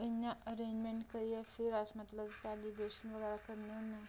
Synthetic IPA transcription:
injaʔəɾẽɲd͡ʑmẽɳʈkəɾijefiɾasmət̪ləbkalibeɕənʋəɡəɾakəɾnonːa

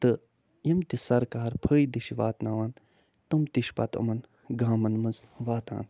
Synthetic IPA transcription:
t̪ɨ | jimt̪isɐɾkaːɾpʰəːjd̪iʃiʋa̰ːt̪naʋaːn | t̪umt̪iʃpɐ̰t̪ɐ̰mɐn | ɡaːmɐnmɐzʋaːt̪a̰ːn

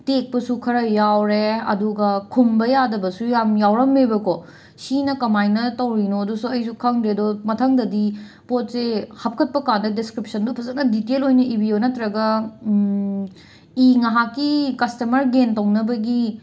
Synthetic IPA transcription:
tek̚pɐsukʰɐɾɐjawɾeɐ̰duɡɐkʰumbɐjadɐbɐsujamjawɾɐmːebɐko | sinɐkɐmajnɐtɐwɾinoɐdusuɐjsukʰɐŋdɾedɔmɐtʰɐŋdɐdi | pot̚sehɐp̚kʰɐt̚pɐkandɐdeskɾip̚sɐndɔpʰɐsɐk̚nɐditelojnɐibionɐtɾɐɡɐ | iŋɐɦakːikɐstɐmɐɾɡentɐwnɐbɐɡi

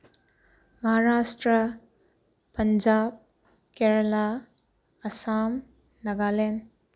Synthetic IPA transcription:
mɐɦaɾasʈɾɐ | pɐnd͡ʒab̚ | keɾɐla | ɐsam | nɐɡalen

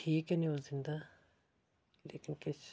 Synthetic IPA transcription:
ʈʰiːkɛnioːlzɪ̃nd̪aː | lḛːkɪnkɪt͡ʃ

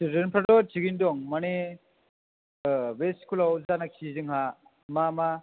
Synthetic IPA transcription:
sɾenpʰɾadɔt͡ʃiɡindɔŋmane | beskʰulawzanakʰizɯŋɦa | mama

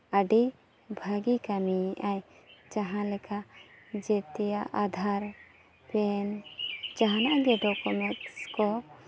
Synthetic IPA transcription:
əɖi | bʱəɡikamiʔajt͡ʃaɦãlɛkʰad͡ʒɛt̪ɛjaʔad̪ʱaɾ | pɛnd͡ʒaɦanaʔɡɛɖɔkɔmɛkskɔ

